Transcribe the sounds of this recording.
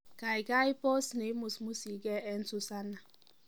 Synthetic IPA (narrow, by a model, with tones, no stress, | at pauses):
ka˨ɪ˨ɡa˦i˦pɔ˦sne˨˦mu˨smu˦si˨˦ɡe˦ɛ˦n̩˦tʊ˦sa˦na˨